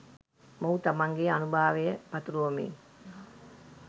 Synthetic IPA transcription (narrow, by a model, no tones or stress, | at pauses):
mowut̪amaŋɡeanubʱaːʋejəpat̪uɾuʋomḭŋ